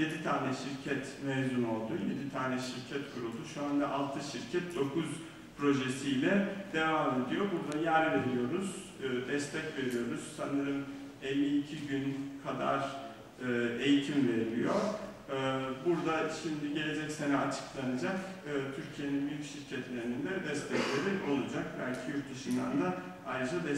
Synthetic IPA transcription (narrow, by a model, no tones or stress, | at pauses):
je̞d̪it̪ʰaːnɛʃiɾcʰɛt̪mɛzuno̞lˠd̪uje̞d̪it̪ʰaːnɛʃiɾcʰɛt̪kʰuɾulˠd̪uʃuand̪aʔalˠt̪ʰɯʃiɾcʰɛt̪̚d̪o̞kʰuz | pʰɾo̞ʒe̞sijlʲɛd̪e̞vaːme̞d̪ijo̞buɾd̪ajæɾve̞ɾijo̞ɾuz̥ː | d̪ɛst̪ʰɛcve̞ɾijo̞ɾuz̥sanɯɾɯm | elʲːiːcʰiɟynkʰad̪a̰ɾ | ɯːe̞jit̪ʰimve̞ɾḭjo̞ | buɾd̪aʃimd̪iɟe̞lʲe̞d͡ʒɛcse̞nɛat͡ʃʰɯ̥klˠanad͡ʒak | ɯːt̪ʰyɾcʰije̞ninbyjycʃiɾcʰɛt̪lʲe̞ɾinind̪ɛd̪ɛst̪ʰɛclʲe̞ɾio̞lˠud͡ʒak̚bæ̰lʲcʰijuɾt̪̚d̪ɯʃɯmd̪a̰nd̪a | ajɾɯd͡ʒad̪ɛ